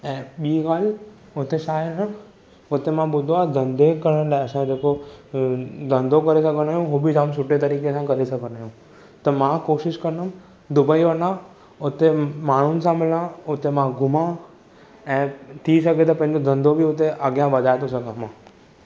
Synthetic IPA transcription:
ɛ̃ːɓiːkaːl | ʊt̪eʃaːəɾnã | ʊt̪emãɓʊd̪ʱad̪ʱɐ̃nd̪ʱekɐɾə̃ɖãɐsãd͡ʑeko | d̪ʱɐ̃nd̪ʱokɐɾesɐɡʱəñaːjũɦubid͡ʒaːmsʊʈet̪ɐɾiːkesãkɐɾesɐɡʱəñaːɦjũ | t̪ɐmãkoːʃɪʃkɐɾnəm | d̪ʊbəiʋɐnã | ʊt̪emaːɳ̤ʊnɪ̆sãmɪlãʊt̪emãɡʱʊmã | ɛ̃ːt̪ʰisɐɡʱet̪ɐpɐ̃ɦɪ̃ɲd͡ʑod̪ʱɐ̃nd̪ʱobʱiʊt̪eʔəɡjãʋɐd̪ʱaːet̪osɐɡʱãmãː

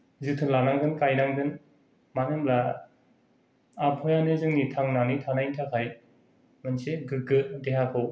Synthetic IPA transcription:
zɯtʰɯlanaŋdɯnkajɾaŋdɯn | manɯmla | apʰɔjanɯzɯŋnitʰaŋnanitʰanajntʰakʰaj | mɯnseɡɯɡɯdeɦakʰɯw

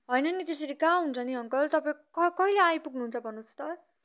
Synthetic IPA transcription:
ɦʌjnʌnit̪esʌɾikaɦunt͡sʰʌniɦʌŋkʌlt̪ʌpaẽkʌkʌileajpuɡnuɦːnt͡sʰʌbʱʌnːut͡st̪ʌr

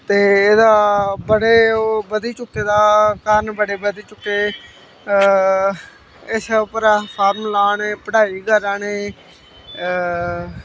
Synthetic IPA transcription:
t̪eːeːd̪aːbəɽeːbəd̪iːt͡ʃʊkːeːd̪aːkaːɾənbəɽeːbəd̪iːt͡ʃʊkːeː | ɪsəpəɾaːpʰaːɾmlaːneːpəɽaːiːɡəɾaːneː

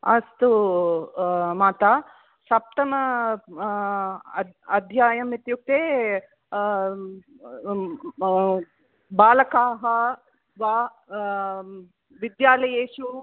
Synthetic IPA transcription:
ɐst̪u | maːt̪aː | sɐp̚t̪ɐmɐ | ɐd̪ʱjaːjɐmːit̪juk̚t̪eː | baːlɐkaːɦɐ | ʋaː | ʋid̪jaːlɐjeːʃu

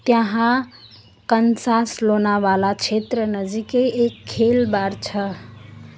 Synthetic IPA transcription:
t̪jəɦã | kənsaslonaʋalat͡ʃʰet̪ɾənəd͡ʒikeekʰːelbaɾt͡ʃʰə

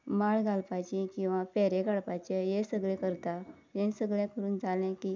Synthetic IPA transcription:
maɭɡalpat͡ɕĩkĩw̃ʋapɛɾeɡaɭpat͡ɕajesəɡɭẽkəɾt̪a | jẽnsəɡɭɛ̃kəɾuːnd͡zʱalɛ̃kiː

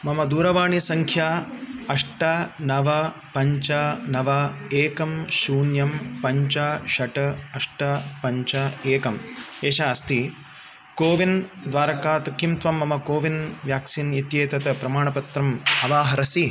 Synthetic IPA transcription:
mɐmɐd̪uːɾɐʋaːɳisɐŋkʰjaːɐʂʈɐnɐʋɐpɐɲt͡ʃɐnɐʋɐeːkɐmʃuːnjɐmpɐɲt͡ʃaʃɐʈɐɐʂʈɐpɐɲt͡ʃɐeːkɐmeːʃaɐst̪i | koːʋind̪ʋaːɾɐkaːt̪ɐkimt̪ʋɐmːɐmɐkoːʋinʋjaːksiːnit̪jeːt̪ɐt̪ɐpɾɐmaːɳɐpɐt̪ɾɐmɐʋaːɦɐɾɐsi

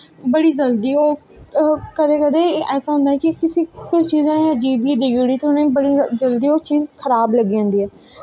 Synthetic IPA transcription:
bəɽiːd͡ʒəld̪iːoː | kəd̪eːkəd̪eːʔɛːsaːɦʊ̃nd̪aːɦɛːkɪkɪsiːkʊt͡ʃt͡ʃiːzãːəd͡ʒiːbiːd̪eɡuːɽiːt̪ːnẽːbəɽid͡ʒəld̪iːoːt͡ʃiːzkʰəɾaːbləɡiːãːnd̪iːɛː

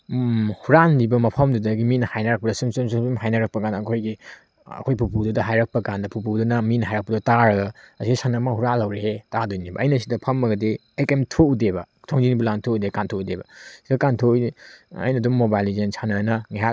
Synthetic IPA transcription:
huɾanːibɐmɐpʰɐmdudɐɡiminɐhajnɐɾɐk̚pɐdɐsumsumsumsumɦajnɐɾɐk̚pɐkandɐːkʰojɡi | ɐ̰kʰojpʰupududɐɦajɾɐk̚pɐkandɐpʰupudɐnɐminɐɦajɾɐk̚pɐdɐtaɾɐɡɐɐsiɡisanɐmaŋhuɾalɐwɾehetadojnibɐ̰ʔɐjnɐsidɐpʰɐmːɐɡɐdi | ejkemtʰoudebɐ | tʰoŋd͡ʒinibulantʰoudekantʰoudebɐsidɐkantʰo | ɐ̰jnɐdumːobajlizensʰanɐnɐŋiɦa

